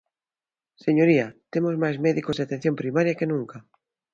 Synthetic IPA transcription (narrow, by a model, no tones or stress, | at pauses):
seɲoɾiat̪emozmajzmeðikozðeat̪en̟θjompɾimaɾjakenũŋka